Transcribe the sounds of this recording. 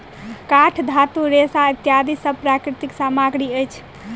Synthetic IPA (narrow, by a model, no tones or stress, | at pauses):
kaʈʰd̪ʱat̪uɾesait̪jad̪ʱisəbpɾakɾit̪iksamaɡɾiəjt͡ʃʰ